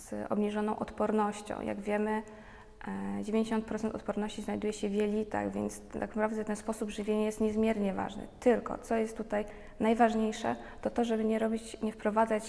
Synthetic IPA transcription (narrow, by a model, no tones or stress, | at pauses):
zɔ̰bɲiʐɔnɔ̃w̃ʔɔt̪pɔɾnɔɕt͡ɕɔ̰̃w̃ja̰ɡvʲjɛmɘ | d͡ʑevʲj̃ɲd͡ʑeɕɔnt̪̚pɾɔt̪ɛnt̪ɔ̰t̪pɔɾnɔɕt͡ɕiznajd̪ujɛɕɛvʲjɛlʲit̪a̰ɣvʲjɛ̰nt̪sa̰knapɾavd̪ɛt̪ɛnspɔsubʐɘvʲjeɲɛjɛst̪ɲɛzmʲjɛɾɲɛva̰ʐnɘ̰t̪ɘlkɔ̰t̪sɔjɛst̪ːut̪aj | najvaʐɲejʂɛ̰ | t̪ɔt̪ɔʐɛbɘɲɛɾɔbʲit͡ɕɲɛfpɾɔvad̪zat͡ɕ